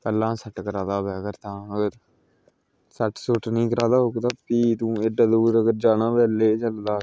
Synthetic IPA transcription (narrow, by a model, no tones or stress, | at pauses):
k̪əlːãːsəʈkəɾaːd̪aːbɛːɡəɾt̪ãːəɡəɾ | səʈsʊʈnĩːkəɾaːd̪aːɦokt̪aːpiːt̪ũːeɖəd̪uːɾəɡəɾd͡ʒaːnãːbɛːleːt͡ʃəld̪aː